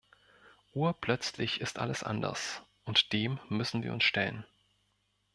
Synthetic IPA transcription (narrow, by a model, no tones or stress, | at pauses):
ʔuːɐpl̥œt͡slɪçɪstʔa̰ləsʔa̰ndɐ̰sʔʊntd̥eːmːʏsn̩viːɐʊnsʃtɛlən